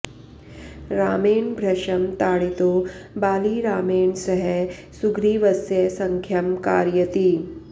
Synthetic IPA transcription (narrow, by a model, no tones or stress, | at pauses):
ɾaːmeːɳbʱɾɐʃɐmt̪aːɽit̪oːbaːliɾaːmeːɳsɐɦɛ | suɡɾiːʋɐsjɐsɐŋkʰjɐmkaːɾjɐt̪iː